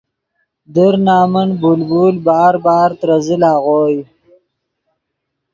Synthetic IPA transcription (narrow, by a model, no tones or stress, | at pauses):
d̪əɾnaːmənbulbuːlbɑːɾbɑːɾt̪ɾazilaːɣoːj